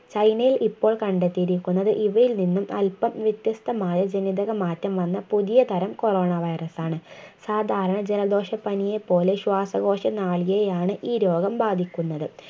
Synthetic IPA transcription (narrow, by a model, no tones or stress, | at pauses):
t͡ɕɐjnɐjilʔipːo̞ːɭkɐɳɖet̪ːiɾikʲːunːɐðɨʔiʋɐjilninːumɐlpɐmʋjɐt̪jɐst̪ɐmaːjɐd͡ʑenid̪ɐɣɐmaːtːɐmʋɐnːɐpuðijɐt̪ʰɐɾɐmko̞ro̞ːɳɐʋɐjrɐsaːɳɨsaːd̪ʱaːɾɐɳɐd͡ʑelɐd̪o̞ːʂɐpɐnije̞pːo̞ːle̞ɕwaːsɐɣo̞ːʂɐnaːɭijejaːɳɨʔiːɾo̞ːɡɐmbaːd̪ʱikʲːunːɐðɨ